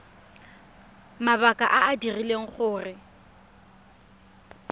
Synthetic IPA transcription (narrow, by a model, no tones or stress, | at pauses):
maβakʼa̰ʔaadirileŋ̩χʊːrɪ